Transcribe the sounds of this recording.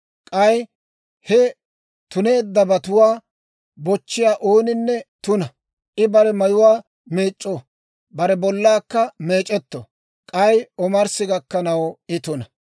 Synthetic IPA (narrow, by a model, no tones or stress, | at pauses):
kʼɐj | hɛ | t̪ʊne̞ːd̪ːɐbɐt̪ʊwaː | bɔt͡ʃːɪjaːʔoːnɪnːɛt̪ʊnɐ | ʔɪbɐɾɛmɐjʊwaː | meːt͡ʃʼːɔ | bɐɾɛbɔlːaːkːɐmeːt͡ʃʼɛt̪ːɔ̰ | kʼɐjɔmɐɾsɪɡɐkːɐnɐwɪt̪ʊnɐ